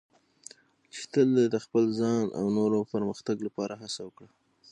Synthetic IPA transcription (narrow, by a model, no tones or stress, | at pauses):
t͡ʃi̥t̪əld̪ed̪əxpəlzɑna̰wnoɾopəɾməxt̪aɡlapɑɾaɦasawəkɽa